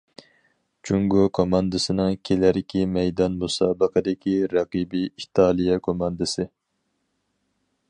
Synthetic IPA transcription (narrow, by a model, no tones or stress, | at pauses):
t͡ʃʰuŋɡokʰomɑnd̪ɨsɨnɨŋkʲʰelæɾɪkʲimɛjd̪ɑnmusɑːbəqʰəd̪ɪkʲʰiɾɑqibiit̪ʰɑːlˠijɛkʰomɑnd̪ɨsɨ